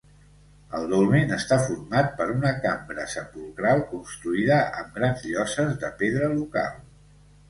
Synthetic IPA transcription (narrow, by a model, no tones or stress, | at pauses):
əlˠd̪ulˠmenəst̪afurmat̪̚pəɾunəkambɾə̰səpulˠkɾalˠkunst̪ɾuiðəə̰mɡɾanzʎɔsəzðəpeðɾəluka̰lˠ